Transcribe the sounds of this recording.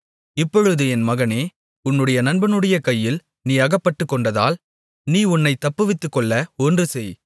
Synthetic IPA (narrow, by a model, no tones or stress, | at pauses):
ɪpːɔɻɯðɯɛnmɐɣɐneː | ʊnːɯɽɐjɐnɐnbɐnɯɽɐjɐkɐjːɪl | niːɐɣɐpːɐʈːɯkːɔɳɖɐða̰ːl | niːʊnːɐɪt̪ːɐpːɯʋɪt̪ːɯkːɔɭːɐɔndrɯsɛj